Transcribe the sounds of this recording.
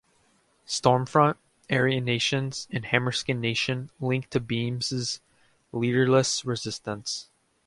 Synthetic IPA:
stɔɹɱfɹʌ̃nt̚ | ɛɹiɨneɪʃɨ̃nz̥ɨ̃nhæ̃mə˞skɨ̃nːeɪʃɨ̃nlɪ̃ŋk̚tʰɨbĩmzɨz̥ | liɾə˞ləsɹɨzɪstə̃ns

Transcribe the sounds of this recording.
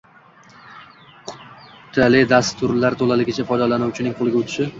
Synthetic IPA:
qʰʊ̥tʰːalɪd̪ast̪ʰʊɾlaɾt̪ʰolalɪɡʲɪt͡ʃʰafɒjd̪alanʊwt͡ʃʰɪnɪŋqʰolˠɪɡʲaʊt̪ʰɪ̥ʃɪ

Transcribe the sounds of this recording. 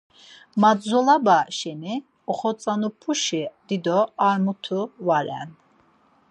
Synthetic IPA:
mad̪zɔlabaʃɛni | ɔχɔt͡sʼanupʰuʃid̪̥id̪ɔaɾmut̪ʰuvaɾɛ̰n

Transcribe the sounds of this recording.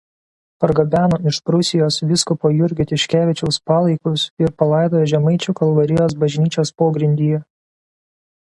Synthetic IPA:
pɐɾɡɐbʲæːnoːɪʃpɾʊsʲɪjoːsʋʲɪskʊpoːjʊɾʲɡʲɪt̪ʲɪʃʲkʲæːʋʲɪt͡ʃʲɛʊspɑːlˠɐɪkʊsɪɾpɐlˠɐɪd̪oːjːʒʲɛmɐɪt͡ʃʲʊkɐlˠʋɐɾʲɪjoːsbɐʒʲnʲiːt͡ʃʲoːspoːɡɾʲɪnʲd̪ʲiːjɛ

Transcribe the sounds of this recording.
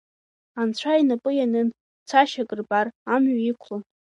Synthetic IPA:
ant͡ɕʷʰajnapʼɨjanɨn | t͡sʰaʃakʼɨrbaramɥaikʷʰlan

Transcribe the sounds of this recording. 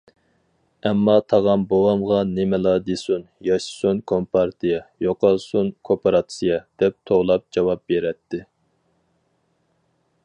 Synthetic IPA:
ɛmːɑt̪ʰɑʁɑmbowɑmʁɑnemɪlˠɑd̪esunjɑʃsunkʰompʰɑɾt̪ʰijɑjoqɑlˠsunkʰopeɾɑt̪sijɑd̪̥ɛp̚t̪ʰoʁlˠɑp̚d͡ʒɑwɑp̚beɾɛt̪ʰːɪ

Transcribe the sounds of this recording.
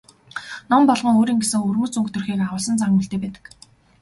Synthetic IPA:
nɔmpɔɮʁɞ̆ŋoːɾiːŋɡesɘ̆ŋɵrmuːt͡suŋkt̪ʰɵ̆rxiːkaʁʊːɮsə̆nt͡saŋŭːɬt̪eːpæːt̪ə̥̆k

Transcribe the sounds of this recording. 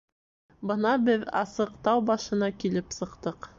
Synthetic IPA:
bɤnɑbɘðɑ̰sɤ̆qt̪ɑwbɑʃɤ̆nɑkilɘpsɤ̆qt̪ɤq

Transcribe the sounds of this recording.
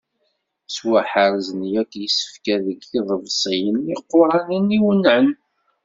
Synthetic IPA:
swaħəɾzənjækːjəsːə̥fkæðəɡθiðˤəvsˤijənːiqːʊɾˤɑniniwənːʕən

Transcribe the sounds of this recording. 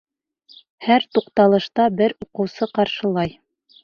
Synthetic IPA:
hæɾt̪uqt̪ɑlˠɤ̆ʃt̪ɑbɘɾuqɤ̆wsɤqɑɾʃɤ̆lˠɑj

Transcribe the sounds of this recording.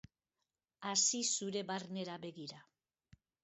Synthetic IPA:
asisuɾe̞βaɾne̞ɾaβe̞ɣiɾa

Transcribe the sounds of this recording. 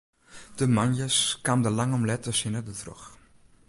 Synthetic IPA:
d̥əmanjəskamdəlaŋɔmlɛtəsənədətrɔ̰x

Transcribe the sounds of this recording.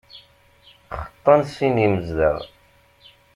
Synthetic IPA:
χə̥t̪ˤːɑnsiniməzðə̰ð

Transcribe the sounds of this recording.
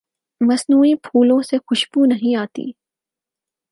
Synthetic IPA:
mɐsnuːipʰuːlõsexʊʃbunɐɦĩaːt̪ḭː

